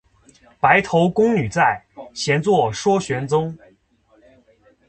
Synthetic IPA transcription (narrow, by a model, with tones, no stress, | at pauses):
pa˧˥ɪt̪ʰo˧˥ʊkʊ˥ŋny˨˩t͡sa˥˩ɪ | ɕjɛ˧˥nt͡swɔ˥˩ʂwɔ˥ɕɥɛ˧˥nt͡sʊ˥ŋ